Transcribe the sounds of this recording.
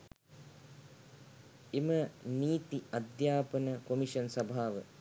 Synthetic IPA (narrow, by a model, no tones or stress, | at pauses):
eməniːt̪iɐd̪jaːpənəkomiʃɐnsɐbʱaːʋə̰